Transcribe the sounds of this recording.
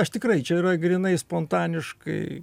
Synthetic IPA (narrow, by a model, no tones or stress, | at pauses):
ɐʃt̪ʲɪkɾɐɪt͡ʃʲɛiɾɐɡɾʲɪnɐɪspoːnt̪ɑːnʲɪʃkɐ̰ɪ